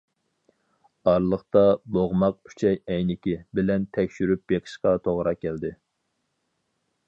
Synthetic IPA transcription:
ɑɾlˠəχt̪ɑboʁmɑq̚y̥t͡ʃʰɛjɛjnɪkʲɪbɪlɛnt̪ʰɛkʲʃyɾyp̚jeqʰə̥ʃqɑt̪ʰoʁɾɑkʲæld̪ɪ

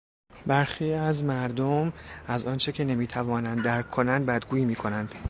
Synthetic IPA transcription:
bæɾxiːæzmæɾd̪omæzɒːnt͡ʃʰecʰe̞ne̞miːt̪ʰævɒːnænd̪ːæɾkʰːo̞nænd̪̚bæd̪̚ɡuːjiːmiːkʰo̞nænd̪̥

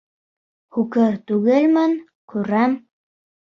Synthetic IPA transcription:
hukɘɾt̪ʉɣɘlmɘn | kʉɾæm

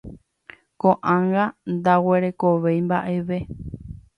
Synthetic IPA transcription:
kõʔãŋɡand̪awe̞ɾe̞koʋejmbaʔe̞ʋe̞

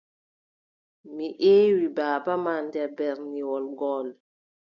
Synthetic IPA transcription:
miʔeːwibaːbamandɛbɛɾniwɔlɡɔːl

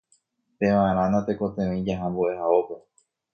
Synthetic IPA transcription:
p̪ẽʋãʔẽɾ̃ãnãt̪e̞ko̞t̪ẽʋẽĩd͡ʒaɦãmbuʔe̞ɦaope

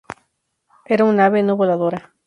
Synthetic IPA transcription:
eɾaunaβenoβolaðoɾa

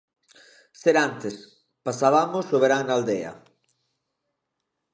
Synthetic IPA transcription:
seɾant̪es | pasaβamosoβeɾaŋnald̪eɐ̰

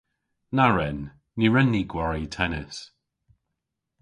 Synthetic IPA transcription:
naɹɛnː | iɹɛnːiɡwaɹitʰɛnɪs

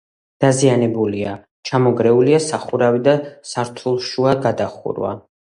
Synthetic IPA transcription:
d̪̥azianɛbulia | t͡ʃʰamɔɡɾɛuliasaχuɾavid̪asaɾt̪ʰulˠʃuaɡad̪aχṵɾwa̰

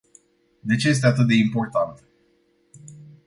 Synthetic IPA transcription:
d̪e̞t͡ʃe̞je̞s̬t̪eat̪ɨt̪̚d̪e̞impo̞rt̪ant̪

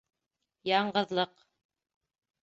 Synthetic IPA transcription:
jɑɴɢɤ̆ðlˠɤq

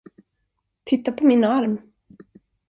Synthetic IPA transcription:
t̪ʰɪt̪ːapʰɔminaaɾm

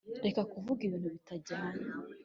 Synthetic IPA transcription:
ɾe̞kakuvuɡiβiːn̥huβitaɟaːɲa

